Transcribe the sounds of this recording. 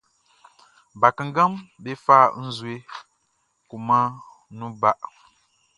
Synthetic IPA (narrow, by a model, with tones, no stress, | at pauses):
ba˨kɨ˨ŋ̩˦ɡa˦mbe˦faː˦˨n̩˦zwe˦ | ku˨ma˦ | nu˦ba˦ʔ